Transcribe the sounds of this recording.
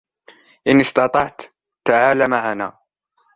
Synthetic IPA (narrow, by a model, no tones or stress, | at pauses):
ʔɪnɪst̪ɑt̪ˤɑʕt̪ | t̪aʕaːlamaʕana̰ː